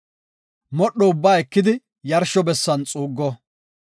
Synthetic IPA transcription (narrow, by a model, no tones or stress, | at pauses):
mɔɗːɔʊbːaːɛkːɪd̪ɪ | jɐɾʃɔbɛsːɐnt͡sʼuːɡːɔ